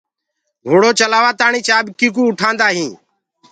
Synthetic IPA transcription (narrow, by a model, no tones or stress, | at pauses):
ɡoːɽoːt͡ʃəlaːʋaːt̪aːɳiːt͡ʃaːbkiːk̬uːʊʈʰãːnd̪aːɦĩː